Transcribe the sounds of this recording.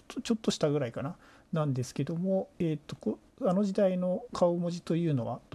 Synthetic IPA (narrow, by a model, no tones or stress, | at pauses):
ot͡ɕo̞t̪ːo̞ɕi̥t̪aɡɯ̟ɾaikana | nãnd̪e̞sɨ̥ke̞d̪o̞mo̞eːt̪ːo̞ko | ano̞ʑid̪aino̞kʰaomo̞ʑit̪o̞jɯ̟ːno̞βa̰d̪